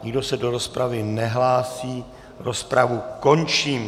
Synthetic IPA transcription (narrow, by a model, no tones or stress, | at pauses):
ɲɪɡdo̞sɛdo̞ɾo̞spɾavɪnɛɦlaːsiː | ɾospɾavuko̞nt͡ʃiːm